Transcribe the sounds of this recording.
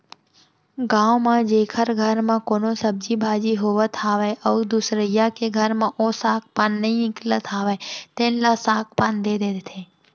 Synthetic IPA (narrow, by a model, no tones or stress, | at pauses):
ɡãːwmãd͡ʒeːkʰəɾɡʱəɾmãkoːnosəb̚d͡ʒibʱaːd͡ʒiɦoːʋət̪ʰaːʋeʔəd̪usɾəjakeɡʱəɾmãʔosaːk̚paːnːəɦĩɪ̃klət̪ʰaːʋet̪eːnlasaːk̚ʰpaːnd̪eːd̪ed̪t̪ʰeː